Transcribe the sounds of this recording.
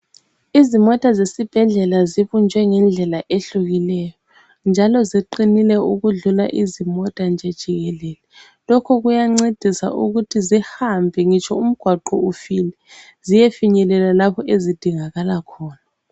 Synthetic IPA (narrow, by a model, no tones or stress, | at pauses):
izimɔtʼazesib̥ʱɛɮɛlaziβund͡ʒʱwɛŋɛnd͡ɮʱɛlaʔeɬuɣilɛjɔ | nd͡ʒʱalɔziǃinilɛuɣuɮula̰ʔizimɔtʼand͡ʒʱɛd̥ʒ̥ʱiɣɛlɛːlɛ | lɔkʰɔɣujaŋ͡ǀed̥ʱisa̰ʔuɣutʰizihambʱɛŋit͡ʃʰɔum̩ɡ̥ʱwaǃɔufilɛ | zijefiɲɛlɛlalapʰɔezid̥ʱiŋaɣalakʰɔːna